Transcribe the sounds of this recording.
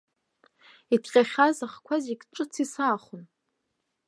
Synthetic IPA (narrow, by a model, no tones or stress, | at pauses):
itʰqʲʼaχʲazaχkʷʰazikʲʼʈ͡ʂʼɨt͡sʰisaːχʊn